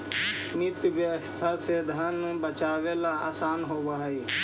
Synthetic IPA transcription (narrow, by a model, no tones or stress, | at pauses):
nɪt̪jʋjəʋəst̪ʰaseːd̪ʱaːnũbət͡ʃaːʋeːlaaːsaːnɦoːbaiː